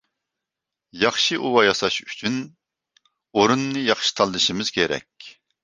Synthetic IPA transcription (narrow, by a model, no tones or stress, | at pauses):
jɑχʃɨʔuwɑjɑsɑʃy̥t͡ʃʰyn | oɾunːɨjɑχʃi̥t̪ʰɑlˠd̪ɨʃimɪz̥kʲʰeɾɛ̰kʲ